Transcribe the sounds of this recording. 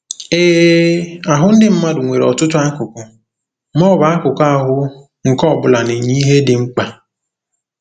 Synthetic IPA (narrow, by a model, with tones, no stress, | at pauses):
eː˦ | a˨ɦʊ˦n̩˦dɪ˦m̩˦ma˦dʊ˨ŋʷe˨ɾɔ̰˨tʊ˦ta˦ŋ̩˦kʊ˨kʊ˨ | mɔ˦˨ba˨a˦kʊ˨ka˦˨ɦʊ˦ | ŋ̩˨kɔ˦˨bʊ˨la˨ne˨ɲi˦ɦe˦dɪ˨ŋ͡m̩˦k͡pa˨